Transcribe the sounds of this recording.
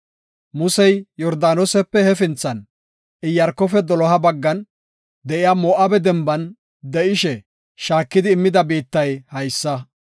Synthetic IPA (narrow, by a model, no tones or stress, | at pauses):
mʊsɛjjɔɾd̪aːnɔsɛpːɛhɛfɪnt͡sːɐn | ɪjɐɾkːɔfɛd̪ɔlɔɦɐbɐɡːɐn | d̪ɛʔɪjaːmɔʔɐbɛd̪ɛmbɐn | d̪ɛʔɪʃɛ | ʃaːkːɪd̪ɪːmːɪd̪ɐbiːt̪ːɐjhɐjsːɐ